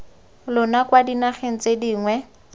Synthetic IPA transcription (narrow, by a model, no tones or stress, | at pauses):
lʊnakwadinaχen̩t͡sediːŋwɛ